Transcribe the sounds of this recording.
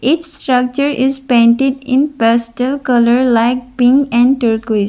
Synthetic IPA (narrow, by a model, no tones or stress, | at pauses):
ɪt͡ʃsʈɾʌk̚t͡ʃəɾʔɪzpẽɳʈɪɖɪ̃npɛsʈəlkʌləɾlaɪk̚pɪ̃ŋɡɛ̃ɳɖʈəɾkui